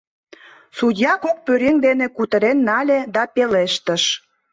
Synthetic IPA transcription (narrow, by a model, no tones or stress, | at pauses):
sudʲjɑkok̚pøɾeŋd̪enekut̪əɾenːɑlʲed̪ɑpeleʃt̪əʃ